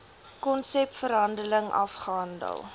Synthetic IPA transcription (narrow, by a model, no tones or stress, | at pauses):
kɔnsɛpfəɾɦɐndələŋɐ̰fχəɐndə̰lˠ